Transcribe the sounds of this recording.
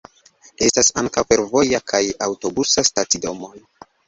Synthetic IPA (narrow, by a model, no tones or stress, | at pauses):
e̞stasaŋkawfe̞ɾvo̞jakʰajawto̞busastatido̞mon